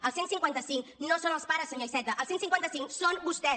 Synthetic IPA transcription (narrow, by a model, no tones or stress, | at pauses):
əlˠsensiŋkwant̪əsiŋknosonəlˠspaɾəsəɲojsɛt̪əʔəlˠsensiŋkwant̪əsiŋksonbust̪ɛ